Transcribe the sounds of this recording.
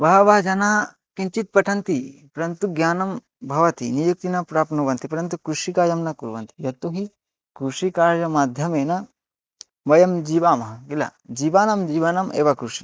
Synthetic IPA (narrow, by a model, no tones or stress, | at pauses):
ʋɐɦɐʋɐɦɐd͡ʒɐnaː | kiɲt͡ʃit̪̚pɐʈʰɐnt̪ipɐɾɐnt̪uɡjaːnɐm | bʱɐʋɐt̪inijuk̚t̪inɐpɾaːpnuʋɐnt̪ipɐɾɐnt̪ukɾuʂikaːjɐmnɐkuɾʋɐnt̪ijɐt̪uɦi | kɾuʂikaːɾjɐmaːd̪ʱjɐmeːnɐ | ʋɐjɐmd͡ʒiːʋaːmɐɦɐkilɐ̰d͡ʒiːʋaːnɐmd͡ʒiːʋɐnɐmʔḛːʋakɾuʂi